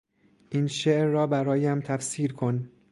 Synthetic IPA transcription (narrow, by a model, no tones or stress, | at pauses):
ʔiːnʃeʔɾːɒːbæɾɒːjæmt̪ʰæfsiːɾkʰo̞n